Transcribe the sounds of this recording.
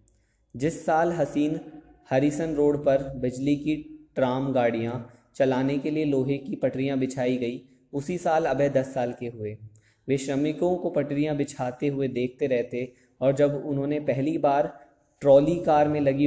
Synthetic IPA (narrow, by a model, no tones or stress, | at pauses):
d͡ʒɪsːaːlɦɐsiːn | hɐɾiːsənɾoːɽpɐɾbɪd͡ʒlikiʈɾaːmɡaːɽijã | t͡ʃɐlaːnekelieloːɦekipɐʈɾijãbɪt͡ʃʰaːiɡɐi | ʊsisaːlɐbed̪ɐsːaːlkeɦʊeː | ʋɪʃɾəmɪkõkopɐʈɾijãbɪt͡ʃʰaːt̪eɦʊed̪eːk̚ʰt̪eɾɛɦt̪e | ɔːɾd͡ʒɐbʊnɦõːnepɛɦlibaːɾ | ʈɾɔːlikaːɾmẽlɐɡi